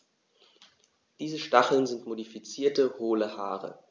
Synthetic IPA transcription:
d̥iːzəʃtaχl̩nzɪntmodifit͡siːɐtəhoːləha̰ːʁə̰

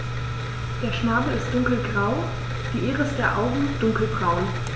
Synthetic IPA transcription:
d̥eːɐʃnaːbl̩ɪst̚d̥ʊŋkl̩ɡʁaʊ | d̥iːʔeːʁəɪsd̥eːɐʔaʊɡŋ̩d̥ʊŋkl̩bʁaʊn

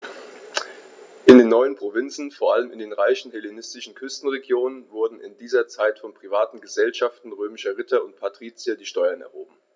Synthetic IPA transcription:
ʔɪndeːnːɔʏənpʁ̥ovɪnt͡sn̩foːɐʔaləmɪndeːnʁaɪçn̩hɛlenɪstɪʃn̩kʰʏstn̩ʁeɡjoːnənvʊɐdn̩ɪ̰ndiːzɐt͡saɪtfɔnpʁ̥ivaːtn̩ɡəzɛlʃaftn̩ʁøːmɪʃɐʁɪtʰɐʊntpʰatʁ̥iːt͡sjadiːʃtɔʏɐnɛɐhoːbm̩

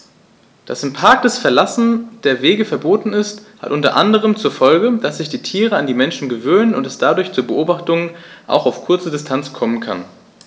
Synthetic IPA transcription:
d̥asɪmpʰaɐk̚d̥ɛsfɛɐlasn̩d̥eːɐveːɡəfɛɐboːtn̩ɪstha̰tʔʊntɐ̰ʔandəʁ̞əmt͡suːɐfɔlɡəd̥asz̥ɪçd̥iːtʰiːʁ̞əandiːmɛnʃn̩ɡəvøːnənʊntɛsd̥adʊɐçt͡suːɐbəʔoːbaχtʊŋənʔa̰ʊxaʊfkʰʊɐt͡sədɪstʰant͡skʰɔmənkʰa̰n

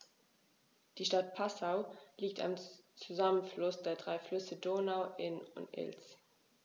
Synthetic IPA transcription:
d̥iːʃtat̚pʰasaʊliːk̚tʰa̰mt͡suzamənflʊsd̥eːɐdʁaɪflʏsədoːnaʊʔɪnʊ̰ntʔɪ̰ls

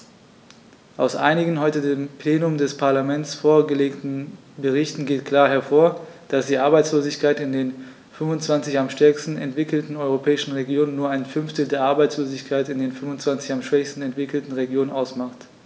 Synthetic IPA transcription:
ʔaʊsʔa̰ɪnɪɡn̩ɦɔʏtədeːmpʰleːnʊmdɛspʰaɐlamɛnt͡sfoːɐɡəleːktn̩ | bəʁ̞ɪçtn̩ɡeːtkʰl̥aːɐɦɛɐfoːɐd̥asd̥iːʔaɐbaɪt͡sloːzɪçkʰaɪtɪndeːn | fʏnvʊnt͡sv̥ant͡sɪçamʃtɛɐkstn̩ɛ̰ntv̥ɪkl̩tn̩ɔʏʁ̞opʰɛːɪʃn̩ʁeɡjoːnənːuːɐaɪnfʏnftl̩deːɐʔaɐbaɪt͡sloːzɪçkʰaɪtɪndeːnfʏnvʊnt͡sv̥ant͡sɪçamʃv̥ɛçstn̩ɛntv̥ɪkl̩tn̩ʁeɡjoːnənʔaʊsmaχt

